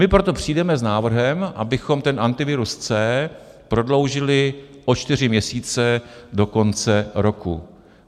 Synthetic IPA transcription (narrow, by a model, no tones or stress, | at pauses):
mɪpɾo̞t̪o̞pr̝̥iːdɛmɛznaːvr̩ɦɛmʔa̰bɪxo̞mt̪ɛnʔant̪ɪvɪɾust͡sɛː | pɾo̞dlo̞wʒɪlɪ | ʔot͡ʃt̪ɪr̝ɪmɲɛsiːt͡sɛdo̞ko̞nt͡sɛɾo̞kṵ